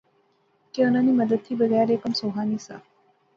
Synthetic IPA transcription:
keənaniːməd̪əd̪̚t̪ʰiːbəɡajɾekəmsoɦaniːsa̰

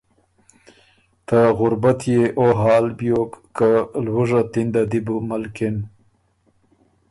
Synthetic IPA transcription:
t̪aɣʊɾbat̪jeʔoɦɑːlbjokːalwuʐat̪ind̪ad̪ibumalkɪn

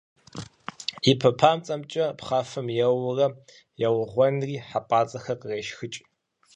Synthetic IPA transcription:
ipʰɐpʰaːmt͡sʼɐmt͡ʃʼɐpχaːfɨmjɛwrɐ | jɛwʊʁʷɔnriːħapʼaːt͡sʼɐxɐqəreːʃxɨt͡ʃʼ

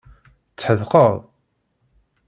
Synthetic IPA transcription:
t͡sːħəðqəðˤ

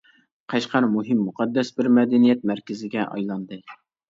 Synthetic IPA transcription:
qʰɑʃqɑɾmuɦɪmːuqʰɑd̪ːɛsbɪɾmɛd̪ɛnijɛt̪̚mæɾkʲɪzɪɡʲɛʔɑ̰jlˠɑnd̪ɨ

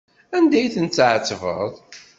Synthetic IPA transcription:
ænd̪æjθənt͡sːʕət͡sːvə̰ðˤ

